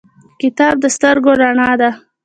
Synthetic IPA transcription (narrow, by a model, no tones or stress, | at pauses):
kɪt̪ɑb̚d̪əst̪əɾɡoɾaɳɑd̪a